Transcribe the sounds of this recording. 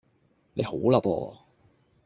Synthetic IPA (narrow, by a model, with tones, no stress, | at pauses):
ne˨˧jho˨˥wlɐ˨pɔ̰ː˧